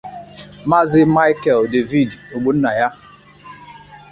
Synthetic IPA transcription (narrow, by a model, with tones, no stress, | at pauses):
ma˦zɪ˦ma˦ɪ˦kɛ˨lde˨vi˦˨do˨ɡ͡bo˨n̩˦na˨ja˦